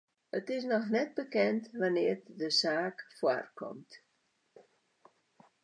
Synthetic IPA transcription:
ətɪs̬nɔxnɛt̚bəkɛntʋanɪːrdəsaːkfwa̰rkɔ̰mt

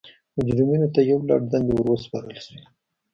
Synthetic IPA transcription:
mʊd͡ʒɾiminot̪ajawlɑ̰ɽ̚d̪and̪ewəɾwəspɑɾəlʃwi

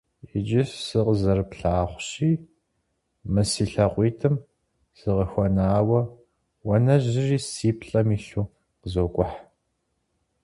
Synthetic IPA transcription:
ɪd͡ʒɪssɨqəzɐrpɬaːχʷɕiː | mɨsiːɬɐqʷiːtʰɨm | sɨʁəxʷɔnaːwɐ | wɐnɐʑɪriːsiːpʰɬʼɐmiːɬuː | qəzokʷʼʊħ

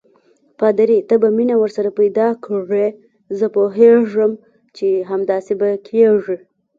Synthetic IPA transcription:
pɑd̪aɾit̪əbaminawəɾsaɾapajd̪ɑkʰɽe | zəpoɦeʐəm | t͡ʃeɦamd̪ɑsebakʰeʐi

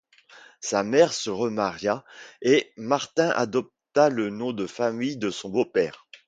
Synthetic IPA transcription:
samɛʁsəʁəmaʁjaemaʁt̪ɛ̃ʔa̰d̪ɔp̚t̪alənɔ̃d̪əfamijd̪əsɔ̃bopɛːʁ

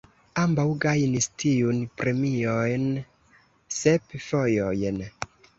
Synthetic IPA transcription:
ambawɡajnistʰiunpɾemiojn | sepfojojn

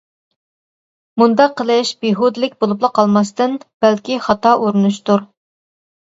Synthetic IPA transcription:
mund̪ɑqʰːəlˠɨʃbeɦod̪ɨlɪkʲbolˠuplˠəqʰɑlˠmɑst̪ɨnb̥ælkʲiχɑt̪ʰɑʔuɾunuʃt̪uɾ

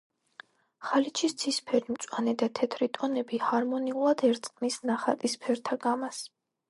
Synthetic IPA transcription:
χalit͡ʃʰist̪sʰispʰɛɾimt̪sʼwanɛd̪at̪ʰɛt̪ʰɾit̪ʼɔnɛbihaɾmɔniulˠad̪ɛɾt̪sʼqʼnisnaχa̰t̪ʼispʰɛɾt̪ʰaɡamas

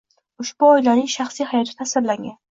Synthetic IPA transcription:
ʊʃbuɒjlanɪŋʃaχsijhajɒt̪ʰɪt̪ʰasɪɾlaŋʲan

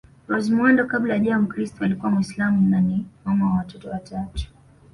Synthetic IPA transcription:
ɾɔzimwɔndɔkaɓlajaʄamukɾistɔalikuwamuislamunanimamawawatɔtɔwatʰatu̥

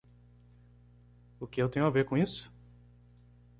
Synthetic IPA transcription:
ʊkɪewt̪ẽɲ̃ʊaveɾkõisʊ̥

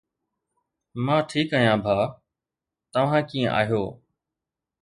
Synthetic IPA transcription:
mãːʈʰiːkaːjãːbʱaː | t̪əʋ̤ãːkiːə̰̃ʔa̰ːɦijoː

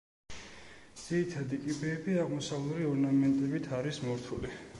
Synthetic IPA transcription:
d̪z̥iɾit̪ʰad̪ikʼibɛːbiaʁmɔsavlˠɾiɔɾnamɛnt̪ʼɛbit̪ʰaɾismɔɾt̪ʰuli

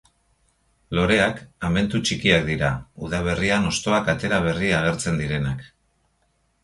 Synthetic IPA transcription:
lo̞ɾe̞akame̞nt̪ut͡ʃikiak̚d̪iɾauðaβ̞e̞riano̞st̪o̞akat̪e̞ɾaβ̞e̞riaɣ̞e̞ɾt͡se̞nd̪iɾe̞nak

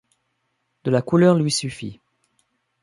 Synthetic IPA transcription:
d̪̥əlakulœʁlɥisyfḭ

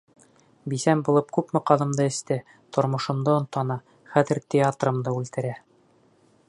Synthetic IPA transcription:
bisæmbulˠɤpkʉpmɤqɑðɤ̆md̪ɤɘ̆st̪ɘ | t̪ʰŏɾmŏʃɤ̆md̪ɤŏnt̪ɑnɑ | χæðɘ̆ɾt̪ʲeat̪rɤ̆md̪ɤʉlt̪ɘ̆ɾæ

